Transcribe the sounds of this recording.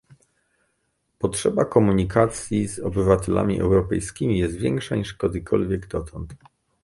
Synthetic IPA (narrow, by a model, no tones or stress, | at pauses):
pɔtʂɛbakɔmuɲikʰat̪sʲjizɔbɘvat̪ɛlʔa̰mʲiʔɛ̰wɾɔpɛjskʲimʲijɛst̪vʲjɛŋkʂaɲiʂkɔd̪ɘkʰɔ̰lvʲjɛɡd̪ɔt̪ʰɔnt̪